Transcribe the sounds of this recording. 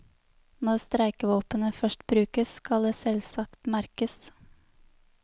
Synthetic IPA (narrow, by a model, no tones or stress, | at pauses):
nɔɾst̪ɾæɪkəʋoːpənəfœʃʈbɾʉːkəskɑld̪eːsɛlsɑkt̪mæɾkəs